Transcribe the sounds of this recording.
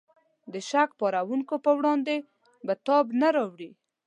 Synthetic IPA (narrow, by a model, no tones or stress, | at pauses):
d̪əʃakpɑɾawuŋkopəwɽɑnd̪e | bat̪ɑbnaɾɑwɽi